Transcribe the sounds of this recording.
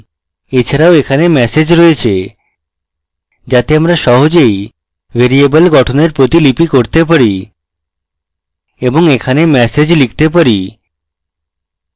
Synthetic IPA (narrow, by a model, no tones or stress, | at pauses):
et͡ɕʰaɾaoekʰanemɛsed͡ʑɾoet͡ɕʰe | d͡ʑat̪eamɾaʃɔɦod͡ʑej | bʱeɾiebəlɡɔʈʰoneɾpɾot̪ilipikoɾt̪ep̬aɾi | eboŋekʰanemɛsed͡ʑlik̚ʰt̪ep̬aɾi